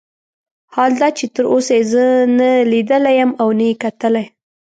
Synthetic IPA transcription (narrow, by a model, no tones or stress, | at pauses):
hɑld̪ɑt͡ʃet̪əɾʔosajezənalid̪əlajəmawnajekat̪əlaj